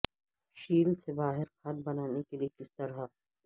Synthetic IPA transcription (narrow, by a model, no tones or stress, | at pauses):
ʃiːlsebaːɦɪɾxɐd̪̚bɐnaːnekeliekɪst̪ɐɾa